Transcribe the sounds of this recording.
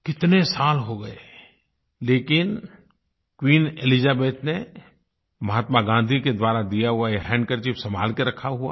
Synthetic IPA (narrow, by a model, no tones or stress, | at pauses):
kɪt̪nesaːlɦoɡɐe | leːkɪn | kwiːnelizaːbeːt̪ne | mɐɦaːt̪maɡãːnd̪ʱiked̪ʋwaːɾad̪ijaɦuaeɾɛ̃ːɳɖkəɾt͡ʃipsɐma̰ːlkeɾɐkʰaɦua̰ː